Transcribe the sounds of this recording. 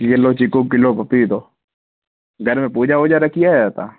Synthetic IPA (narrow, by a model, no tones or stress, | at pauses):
kɪlot͡ʃɪkok̬ɪlopɐpːit̪oː | ɡʱɐɾmẽpuːd͡ʒaod͡ʒaɾɐkʰijad͡ʒaːt̪a̰